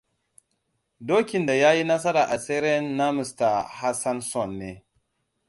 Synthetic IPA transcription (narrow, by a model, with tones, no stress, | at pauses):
doː˦kʲɪ˨nda˨jaː˦ji˦na˦s̬ɐ˦ɾaː˨ʔa˨seː˦ɾe˦nːa˦mɪ˨sta˨ha˦sa˦nsɔ˦˨nːeː˦